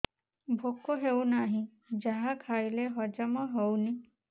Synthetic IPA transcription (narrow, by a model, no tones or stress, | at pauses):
bʱokːoɦewnaɦĩ | d͡ʒaɦakʰajleɦɔd͡ʒamɔɦewni